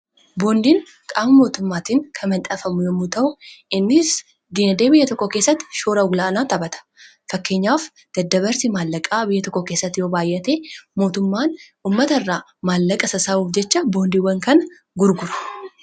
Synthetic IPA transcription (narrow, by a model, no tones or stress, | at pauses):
bo̞ːnd̪iːŋ | kʼaːmɐmo̞ːt̪ʊmːaːt̪iŋkʰɐmɐnt̪ʼɐfɐmʊjomːʊt̪ɐʔʊɪnːɪs | d̪iːnɐd̪eːbɪjːɐt̪ɔkːɔkeːsːɐt̪ːɪ̥ʃoːɾɐɡʊlaːnaːt̪ɐbɐt̪ɐ̥ | fɐkːe̞ːɲːaːf | d̪̥ɐd̪ːɐβɐɾsimaːlːɐkʼaːbɪjːɐt̪ɔkːɔke̞ːsːɐt̪ːɪjo̞ːbaːjʔɐt̪eːmo̞ːt̪ʊmːaːnʔuːmːɐt̪ɐɪrːaː | maːlːɐkʼɐsɐsaːuːfd͡ʒɛt͡ʃːɐbo̞ːnd̪iːwɐŋkɐnɐ | ɡʊɾɡʊɾɐ̥